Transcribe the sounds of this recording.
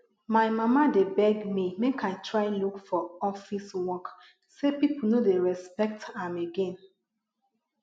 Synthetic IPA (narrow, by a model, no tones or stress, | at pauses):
maɪmamadebɛɡmimekʰaɪtʰɹaɪlukfɔɔfiswɔk | sepiponodeɹɛspɛk̚tãmeɡɛ̃n